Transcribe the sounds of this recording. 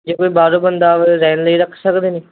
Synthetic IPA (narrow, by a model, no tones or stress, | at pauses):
d͡ʒeːkoːiːbaːɾoːbənd̪aːzɛːnləiːɾəkʰsəkd̪eːniː